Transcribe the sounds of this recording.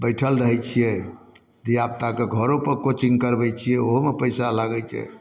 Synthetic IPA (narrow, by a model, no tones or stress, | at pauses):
bəjʈʰəlɾəɦɛt͡ʃʰijɛ | d̪ijap̚t̪akeɡʱəɾopəɾkot͡ʃiŋɡkəɾbɛt͡ʃʰijɛoɦomepəɪsalaɡɛt͡ʃʰɛ̰